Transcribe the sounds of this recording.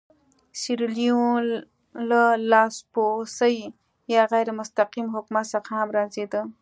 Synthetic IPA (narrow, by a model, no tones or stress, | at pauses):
siɾlijõ | ləlaːsposəj | jaːɣɛjɾmʊst̪aqimɦʊkmasaqʰaːmɾaːzid̪ə